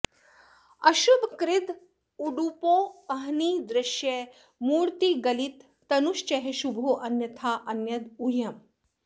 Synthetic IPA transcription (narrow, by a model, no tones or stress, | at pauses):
ɐʃubkɾɪd̪ | uɖupoːɐɦniːd̪ɾɪʃjeː | muːɾt̪iːɡɐlit̪ː | ɐnuʃt͡ʃɐɦeʃubʱoːʔɐnjɐt̪ʰaːʔɐnjɐd̪ujɐm